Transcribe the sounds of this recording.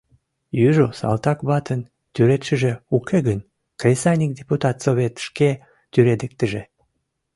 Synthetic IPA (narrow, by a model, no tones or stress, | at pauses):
jyʒosɑ̰lt̪ɑkβɑt̪ən | t̪yɾet̪ʃəʒeukʰeɣən | krʲesɑnʲik̚d̪ʲeput̪ɑt̪soβet̪ʃke | t̪yɾed̪ek̚t̪əʒe